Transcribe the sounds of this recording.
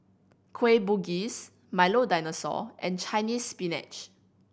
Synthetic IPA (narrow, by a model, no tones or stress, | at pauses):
kʰwebuɡis | majlodajnəsɔ̰ʔɛ̰̃nt͡ʃajnisːpinɛ̰t͡ʃ